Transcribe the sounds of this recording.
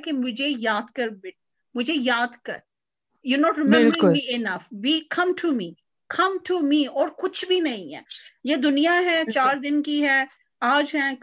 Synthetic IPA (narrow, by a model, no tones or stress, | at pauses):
kemʊd͡ʒʱejaːd̪kɐɾbɪʈ | mʊd͡ʒʱejaːd̪kɐ̰ɾ | juːnɔːʈɾɪmɛɪmləɾɪʊlliɪnɐfbiːkʰɐ̃mʈʰumiː | kʰɐ̃mʈʰumiːɔːɾkʊt͡ʃʰbʱinɐɦĩɦɛ̰ːjed̪ʊnijaɦɛt͡ʃaːɾd̪ɪnkiɦɛ | aːd͡ʒɦɛ̃ː